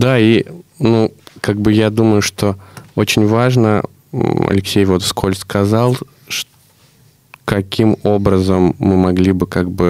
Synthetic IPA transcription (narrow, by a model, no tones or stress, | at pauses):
d̪ainukaɡ̚bɨjad̪uməjʊʂt̪o̞o̞t͡ɕɪnʲvaʐnə | ɐ̰lʲɪksʲejvo̞t̪fskʰo̞lʲskɐzɑlˠ | ʂ | kɐkʲimo̞bɾəzəmːɨmɐɡlʲibɨkaɡ̚bɨ